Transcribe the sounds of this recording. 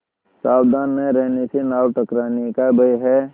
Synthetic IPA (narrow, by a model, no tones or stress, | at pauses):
saːwd̪aːnmẽɾɛɦnesenaːwʈəkɾaːnekabəjɦɛː